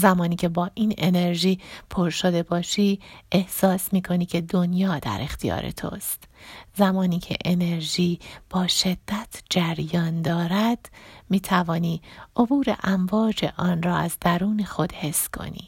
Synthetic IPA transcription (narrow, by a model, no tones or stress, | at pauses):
zæmɒːniːcʲʰe̞bɒːʔiːnene̞ɾʒiːpʰoɾʃo̞d̪e̞bɒːʃiːʔe̞hsɒːsmiːkʰo̞niːcʰe̞d̪o̞njɒːd̪æ̰ɾʔe̞xt̪ijɒ̰ːɾḛt̪ʰo̰st̪zæmɒːniːcʰḛʔene̞ɾʒiːb̥ɒːʃe̞d̪̥ːæt̪ʰd͡ʒæɾjɒːnd̪ɒːɾæd̪̥miːt̪ʰævɒːniːʔobuːɾḛʔæmvɒːd͡ʒe̞̰ʔɒːnrɒːæzd̪æɾuːnexo̞d̪̥he̞sːkʰo̞̰nḭː